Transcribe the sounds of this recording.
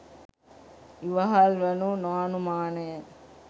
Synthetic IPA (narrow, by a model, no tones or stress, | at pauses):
iʋɐɦalʋɐnunoːnumaːnɐjə